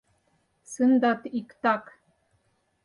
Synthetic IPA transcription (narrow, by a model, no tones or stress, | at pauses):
sɨnd̪ɑt̪ikt̪ɑk